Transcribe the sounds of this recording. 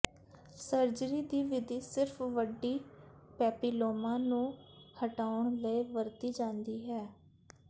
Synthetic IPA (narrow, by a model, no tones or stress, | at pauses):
səɾd͡ʒɾiːd̪iːʋɪd̪iːsɪɾfʰʋəɖːiːpɛːpiːloːmãːnũːhəʈaːʊɳləeːʋəɾt̪iːd͡ʒãːnd̪iːɦɛː